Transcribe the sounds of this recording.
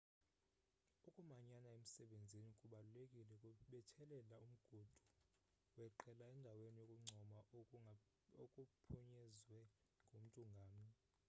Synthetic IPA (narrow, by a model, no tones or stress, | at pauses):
ukʼumaɲanaem̩sɛɓend͡zʱinikʼuɓalulekʼilɛkʼuɓɛtʰɛlɛlaum̩ɡ̥ʱud̥ʱu | wɛǃɛlaɛndʱawenijokʼuŋ͡ǀʱɔma | okʼupʰuɲɛzwɛ | ŋɡʱom̩tʼuŋɡʱaːmi